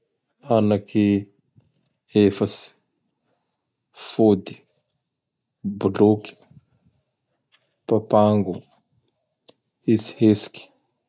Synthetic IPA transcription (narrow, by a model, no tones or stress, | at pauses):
anakʰi | efəsi̥ | fod̪i̥ | buloki̥ | papaŋɡu | izi̥hesi̥kʲi̥